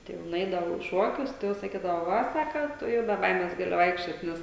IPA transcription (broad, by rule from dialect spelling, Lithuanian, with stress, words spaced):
ˈtɐɪ jɛʊ nʊˈɛɪdɐʋɐʊ iː ˈʃuɔkʲʊs tɐɪ ˈjɛʊ sɐˈkʲiːdɐʋoː ˈʋɐ ˈsɑːkɐ ˈtʊ jɛʊ bʲɛ ˈbɐɪmʲɛs ˈɡɑːlʲɪ ˈʋɐɪkʃʲt͡ʃʲoːt ˈnʲɛs